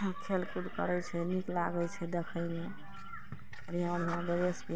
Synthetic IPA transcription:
kʰelkud̪kə̰ɾɛt͡ʃʰɛniklaɡɛjt͡ʃʰɛd̪ekʰəjme | əɾiɦãɔnʱiãbeɾespi

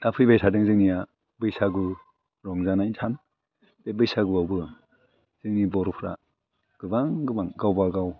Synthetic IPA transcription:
d̥apʰɯjbajtʰadɯŋzɯŋnija | bɯjsaɡɯ | ɾɔŋzanaintʰan | b̥ebɯjsaɡɯawbɯ | z̥ɯŋnibɔɾɔpʰɾa̰ | ɡ̥ɯbaŋɡɯbaŋɡawbaɡaw

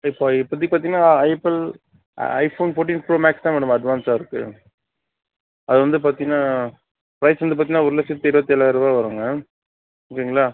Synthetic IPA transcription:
ɪpːopːɐt̪̬ːik̚pːaɾt̪iŋɡɐnaɐɪpɪl̰ | ɐɪfoːnfoːʈ̬iːnpɾoːmaːkst̪ãːʋɛːɽɯmɐɖʋaːnsaːɪɾɯkːɯ̰ | ɐðɯʋɐnd̪ɯp̬aːɾt̪iŋɡɐnaː | pɾɐɪsʋɐnd̪ɯpaːɾt̪iŋnːaːʊɾɯlɐsɪt̪eɾʋɐt̪ːɛlaɐɾɯʋaːʋɐɾɯːŋɡɐ | kɐŋɡɐɭaː

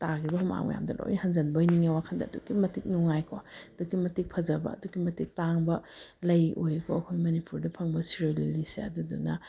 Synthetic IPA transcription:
taɡɾibɐɦuma̰ŋmɐ̰ja̰mdɐlo̰wihɐnzɐnbɐjniŋewakʰɐndɐːdṵɡimɐtik̚nuŋajkʰɔɐd̥ukimɐtik̚pʰɐzɐbɐ̰ːduɡimɐtik̚taŋbɐlɐjʔojkʰɔɐkʰojmɐnipuɾdɐpʰɐŋbɐsiɾolilisḛɐdudṵnɐ

